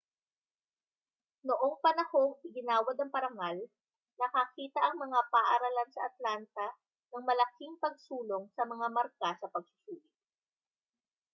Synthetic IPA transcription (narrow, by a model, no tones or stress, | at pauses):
noʔo̞ŋpɐnɐhoŋɪɡɪnaːwɐd̪ɐŋpɐɾɐŋal | nɐkɐkiːt̪ɐʔɐŋmɐŋapaʔɐɾɐlansɐʔɐt̪lant̪ɐ | nɐŋmɐlɐkiŋpɐɡ̚suːloŋsɐmɐŋamɐɾkasɐpɐɡ̚sʊ̥suːlɪt̪̚